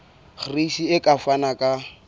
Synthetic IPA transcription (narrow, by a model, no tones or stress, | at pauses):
χriʃiɪkʼafanakʼa